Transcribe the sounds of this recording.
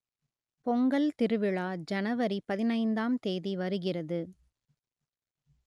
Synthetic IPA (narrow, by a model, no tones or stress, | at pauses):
pɔŋɡɐɭt̪ɪɾɯʋɪɭaːd͡ʒɐnɐʋɐɾipɐðɪnɐɪnd̪aːmt̪eːðiʋɐɾɯɣɪrɐðɯ